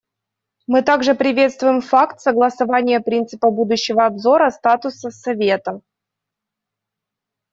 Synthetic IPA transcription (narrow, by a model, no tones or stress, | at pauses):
mɨt̪aɡʐɨpɾʲɪvʲe̞t̪st̪vʊjɪmfakt̪səɡlˠəsɐvanʲɪjəpɾʲint̪sɨpəbud̪ʊɕːɪvəɐbzo̞ɾəst̪at̪ʊsəsɐvʲet̪ə